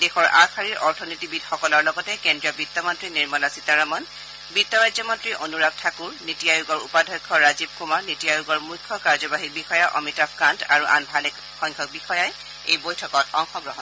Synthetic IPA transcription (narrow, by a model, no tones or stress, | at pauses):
dexɔɹʔaxʰaɹiɹʔɔɹtʰɔnitibidxɔkɔlɔɹlɔɡɔtɛkendɹijɔbitːɔmɔntɹiniɹmɔlasitaɹamɔn | bitːɔɹajzɔmɔntɹiʔonuɹab̚tʰakuɹnitijajuɡɔɹupadʱɔjkʰːɔɹazib̚kumaɹnitijajuɡɔɹmukʰːɔkaɹzɔbaɦik̚bixɔjaʔɔ̰mitapkanta̰ɹuʔa̰nbʱalɛk | xɔjŋkʰɔk̚bixɔjaj | ejbojtʰɔkɔtɔŋxɔɡɹɔɦɔ